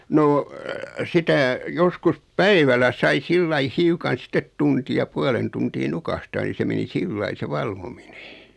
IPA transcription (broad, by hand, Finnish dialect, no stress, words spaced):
noː sitæ joskus pæiʋælæ sɑi silːɑi hiukɑn sĭtet tuntij jɑ puɑlen tuntiː nukɑhtɑː ni se meni silːɑi se ʋɑlʋomine̥